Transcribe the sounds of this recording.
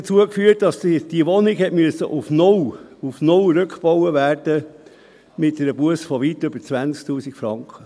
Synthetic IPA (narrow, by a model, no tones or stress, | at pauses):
ət͡suəkfyːətdɑsd̥iəʋɔnɪkhɛtmyəsə̰ʔʊfnɔwufnɔwɾøkχb̥ɔwəvæːrd̥ə | mɪt̚dɛɾəb̥uəsfɔʋitʏb̥əɾt͡sʋænsk̚tuːsikfɾɑŋkχə